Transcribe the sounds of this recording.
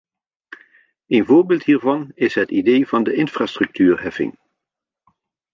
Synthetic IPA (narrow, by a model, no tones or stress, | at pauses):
ejnvoːɹbɪːlˠtɦiːɹvɑnɪsɦətidejvɑndəʔɪnfraːstrɵk̚tʰyːɹɦɛfɪ̰ŋ